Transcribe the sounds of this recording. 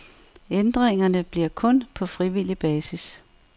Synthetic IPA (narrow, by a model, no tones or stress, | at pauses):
end̥ʁeŋɐnəb̥liɐ̰kʰɔ̽npʰɒ̽fʁiʋil̰ib̥ɛːsis